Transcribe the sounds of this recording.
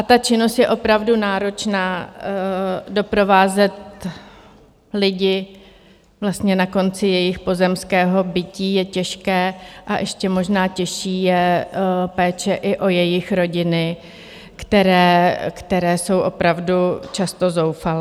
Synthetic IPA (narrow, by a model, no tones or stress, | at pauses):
ʔat̪at͡ʃɪno̞st̪jɛʔo̞pɾavdunaːɾo̞t͡ʃnaː | do̞pɾo̞vaːzɛt̪ | lɪɟɪ | vlast̪ɲɛnako̞nt͡sɪjɛjɪxpo̞zɛmskɛːɦo̞bɪciːjɛcɛʃkɛːʔaʔɛʃcɛmo̞ʒnaːcɛʃiːjɛ | pɛːt͡ʃɛʔɪʔo̞jɛjɪxɾo̞ɟɪnɪ | kt̪ɛɾɛːkt̪ɛɾɛːso̞wʔo̞pɾavdut͡ʃast̪o̞zo̞wfal